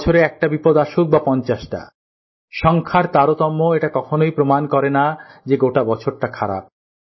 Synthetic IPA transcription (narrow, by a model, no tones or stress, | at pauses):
t͡ɕʰoɾeɛk̚ʈabipod̪aʃok̚bapɔnt͡ɕaʃʈa̰ | ʃɔŋkʰaɾt̪aɾot̪ɔmːoeʈakɔkʰonojpɾomankɔɾenad͡ʑeɡoʈabɔt͡ɕʰoɾʈakʰaɾa̰p̚